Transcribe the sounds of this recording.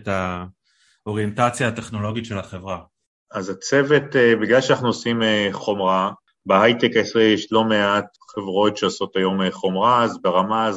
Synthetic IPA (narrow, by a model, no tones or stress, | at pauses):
ta | oʁijentat͡sjaateχnolo̞ɡitʃelaχevʁa | azat͡se̞vetebiɡlalʃanaχnuosimeχo̞mʁa | behajt̪ekaesʁijɛʃlo̞meat̪ | χevʁo̞tʃeoso̞tajo̞meχo̞mʁazbeʁamaz